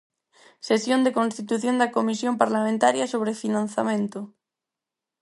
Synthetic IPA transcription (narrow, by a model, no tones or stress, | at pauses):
sesjond̪ekõnst̪it̪uθjond̪akomisjompaɾlamẽnt̪aɾjɐsoβ̞ɾefinãn̟θamẽnt̪ʊ